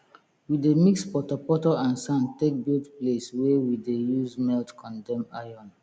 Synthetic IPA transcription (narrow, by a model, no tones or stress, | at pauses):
widemikspɔtɔpɔtɔãnsãntek̚bildpleswɛwidejuzmɛltkʰɔ̃ndɛ̃majɔ̃n